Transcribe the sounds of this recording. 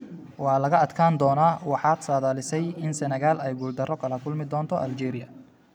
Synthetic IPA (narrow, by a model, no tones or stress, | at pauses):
wɑːlɐɣɐɐd̪kʰaːnd̪ɔːnaːwɑħɑːd̪saːðaːlɪsɛjɪnsɛnɛɣaːlɛjɡuld̪ɐrɔkʰɐlɐkʰʊlmɪd̪ɔːnt̪ʰɔʔɐld͡ʒɛːɾɪjɐ̰